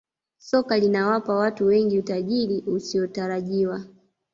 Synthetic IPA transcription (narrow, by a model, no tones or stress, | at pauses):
sɔkalinawapawatuwɛŋɡiutaʄiɾiusiɔtaɾaʄiwa